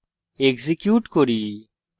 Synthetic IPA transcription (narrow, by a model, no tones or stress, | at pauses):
eɡzikjuːʈkoɾiː